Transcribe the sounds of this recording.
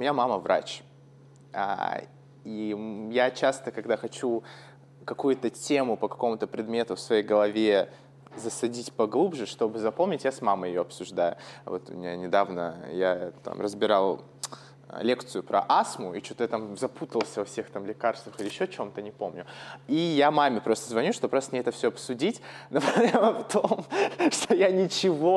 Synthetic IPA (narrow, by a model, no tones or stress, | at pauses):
mʲɪjamaməvɾʔa̰t͡ɕ | a̰ | ijat͡ɕast̪əkɐɡd̪axɐt͡ɕu | kɐkujʊt̪ətʲe̞mʊpəkɐko̞mʊt̪əpɾʲɪd̪mʲe̞t̪ʊfsvɐjejɡəlˠɐvʲe | zəsɐdʲitʲpɐɡlˠubʐɨʂt̪o̞bɨzɐpomnʲɪtʲjasmaməjɪjo̞ɐpsʊʐd̪ajʊ̰vo̞t̪ʊmʲɪnʲanʲɪd̪avnə̰jat̪a̰mrəzbʲɪɾalˠ | lʲe̞kt̪sɨjʊpɾɐ̰ʔasmʊit͡ɕut̪əjat̪amzɐput̪əlˠsʲəvɐfsʲe̞xt̪amlʲɪkarst̪vəxɪlʲɪjɪɕːot͡ɕo̞mt̪ənʲɪpo̞mnʲʊijamamʲɪpɾo̞st̪əzvɐnʲuʂt̪opɾosmʲeɛt̪əfsʲoɐpsʊdʲitʲnəpɐeməft̪omʂt̪o̞janʲɪt͡ɕɪvo̞